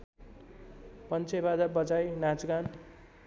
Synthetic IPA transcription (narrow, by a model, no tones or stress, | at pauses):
pʌnt͡sʰebadʌbʌd͡zajnad͡zɡan